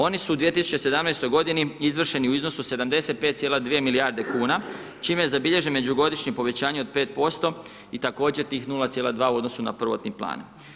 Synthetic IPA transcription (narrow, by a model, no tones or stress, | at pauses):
o̞nisuːd̪ʋije̞t̪isu̥t͡ɕe̞se̞d̪amnejst̪o̞jɡo̞d̪iniizʋr̩ʃe̞niuizno̞suse̞d̪amd̪e̞se̞t̪̚pet̪̚sjeːlad̪ʋijemiliaːɾd̪e̞kuːna | t͡ʃiːmezabiʎe̞ʒenme̞d͡ʑuɡo̞d̪iʃɲipo̞ʋe̞t͡ɕaːɲeo̞d̪̚pe̞ːt̪̚po̞st̪o̞ | it̪ako̞ːd͡ʑe̞ɾt̪iːxnulˠat̪sjeːlˠad̪ʋaːuo̞d̪nosuna̰pr̩ʋo̞̰t̪niplˠa̰ːn